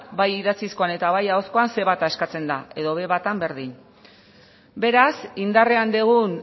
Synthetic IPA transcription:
bajiðat͡sisko̞ane̞t̪aβajaosko̞anse̞βat̪aeskat͡se̞nd̪ae̞ðo̞βe̞βat̪ambe̞ɾðin | be̞ɾasind̪are̞and̪eɣun

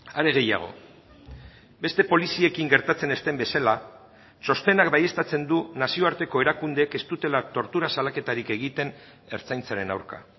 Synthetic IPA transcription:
aɾe̞ɣ̞e̞ja̰ɣ̞o̞̰ | be̞st̪e̞po̞lisie̞kiŋɡe̞ɾt̪at͡sene̞st̪e̞mbe̞sala | so̞st̪e̞nakbaje̞st̪at͡se̞nd̪unasio̞aɾt̪e̞ko̞e̞ɾakund̪e̞ke̞st̪ut̪e̞lat̪o̞ɾt̪uɾasalake̞t̪aɾike̞ɣ̞it̪e̞n | e̞ɾt͡sajnt͡saɾe̞na̰wɾka̰

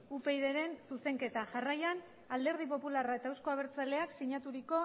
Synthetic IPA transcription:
upe̞jðe̞ɾe̞nsuse̞ŋke̞t̪aʝarajan | ald̪e̞ɾð̞ipo̞pularaet̪aewsko̞aβ̞e̞ɾt͡sale̞aksiɲat̪uɾiko̞

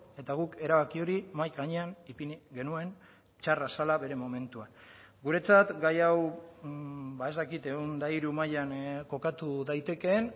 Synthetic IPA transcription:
e̞t̪aɣ̞uke̞ɾaβakio̞ɾimajɡaɲe̞anipinɡe̞nue̞n | t͡ʃarasalaβe̞ɾe̞mo̞me̞nt̪uan | ɡuɾe̞t͡sat̪ɡajaw | bae̞zt̪akit̪e̞ɣund̪aiɾumajanko̞kat̪uðajt̪e̞ke̞n

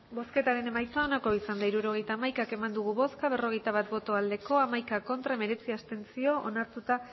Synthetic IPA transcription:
bo̞ske̞t̪aɾe̞ne̞majt͡soaonako̞isand̪aiɾuɾo̞ɣ̞e̞jt̪aːmajkake̞mand̪uɣ̞uβo̞skaβe̞ro̞ɣejt̪aβ̞at̪̚bo̞t̪o̞ald̪e̞ko̞amajkako̞nt̪ɾame̞ɾe̞t͡siast̪e̞nt͡sio̞ʔonaɾt̪ut̪a

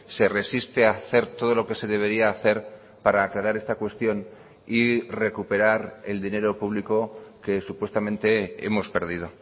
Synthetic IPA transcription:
se̞re̞sist̪e̞aθe̞ɾt̪o̞ð̞o̞lo̞ke̞se̞ð̞e̞β̞e̞ɾiaːθe̞ɾ | paɾaːklaɾaɾe̞st̪akwe̞st̪jo̞n | ire̞kupe̞ɾaɾe̞ld̪ine̞ɾo̞puβ̞liko̞ke̞supwe̞st̪amẽ̞nt̪e̞ḛmo̞spe̞ɾð̞ið̞o̞

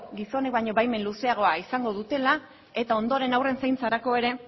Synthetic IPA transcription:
ɡiso̞nek̚baɲo̞βajme̞nluse̞aɣ̞o̞aisaŋɡo̞ð̞ut̪e̞la | e̞t̪ao̞nd̪o̞ɾe̞nawre̞nsajnt͡saɾako̞e̞ɾe̞

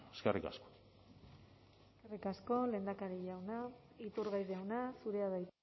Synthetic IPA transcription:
eskḛrika̰sko̥ | e | skerikasko̞le̞ːnd̪akaɾiʝawna | it̪uɾɣajðeawnasuɾe̞aðajt̪

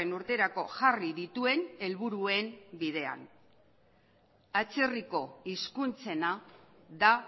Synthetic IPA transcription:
enuɾt̪e̞ɾako̞ʝariðit̪ue̞ne̞lβuɾue̞mbiðe̞a̰n | at͡se̞riko̞iskunt͡se̞na | ða

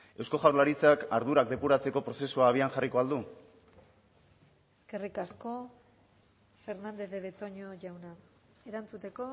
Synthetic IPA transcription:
e̞wsko̞ʝawɾlaɾit͡sakaɾðuɾak̚d̪e̞puɾat͡se̞ko̞pɾo̞se̞suaːβ̞ianxariko̞ald̪u | eske̞rikasko̞ | fe̞ɾnand̪e̞ðeβe̞t̪o̞ɲoʝawna | eɾant͡sut̪e̞ko̞

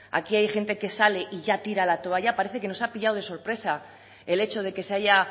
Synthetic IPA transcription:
a̰kiajxe̞nt̪e̞ke̞sale̞ʔiʝat̪iɾalat̪oaʝapaɾe̞θe̞ke̞no̞sapiʝawð̞e̞so̞ɾpɾe̞sa | e̞le̞t͡ʃo̞ð̞e̞ke̞se̞aʝa

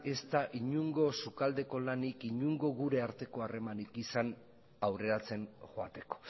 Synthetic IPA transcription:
e̞st̪aʔiɲuŋɡo̞sukald̪e̞ko̞lanikiɲuŋɡo̞ɣuɾe̞aɾt̪e̞ko̞are̞manikisan | awre̞ɾat͡se̞nxoat̪e̞ko̞̥

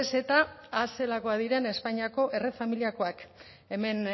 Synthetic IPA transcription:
ese̞t̪aːse̞lako̞aðiɾe̞ne̞spaɲiako̞ʔe̞refamiliako̞ak | e̞me̞n

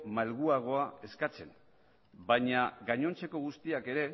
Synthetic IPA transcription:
malɣuaɣ̞o̞ae̞skat͡se̞n | bajɲaɣaɲo̞nt͡se̞ko̞ɣ̞ust̪iake̞ɾe̞

